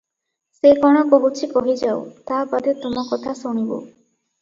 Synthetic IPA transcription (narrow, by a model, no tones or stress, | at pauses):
sekɔɽ̃ɔkoɦut͡ʃʰikɔɦid͡ʒao̰t̪abad̪et̪omɔkɔt̪ʰasuɽ̃ibo̰